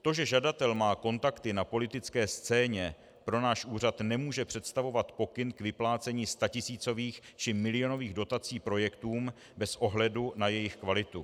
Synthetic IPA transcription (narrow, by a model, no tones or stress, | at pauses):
t̪o̞ʒɛʒadat̪ɛlmaːko̞nt̪akt̪ɪnapo̞lɪt̪ɪt͡skɛːst͡sɛːɲɛ | pɾo̞naːʃʔuːrat̪nɛmuːʒɛpr̝̥ɛt̪st̪avo̞vat̪po̞kɪnkvɪplaːt͡sɛɲiːst̪acɪsiːt͡so̞viːx | t͡ʃɪmɪlɪo̞no̞viːɣdo̞t̪at͡siːpɾo̞jɛkt̪uːm | bɛsʔo̞ɦlɛdunajɛjɪxkvalɪt̪u